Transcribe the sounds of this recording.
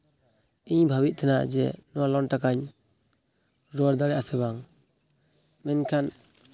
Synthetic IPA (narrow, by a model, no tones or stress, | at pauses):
iɲbʱabit̪̚t̪ʰanad͡ʒɛ̰nɔwalɔnʈakaɲ | ɾɔɾd̪aɾɛasɛbaŋ | mɛnkʰan